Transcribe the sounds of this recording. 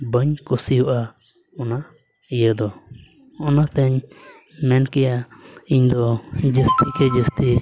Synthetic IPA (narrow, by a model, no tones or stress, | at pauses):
bəɲkusiɦuʔa | ɔna | ijəd̪ɔ | ɔnat̪ɛɲ | mɛnkɛjaiɲd̪ɔd͡ʒəst̪ikɛd͡ʒəst̪i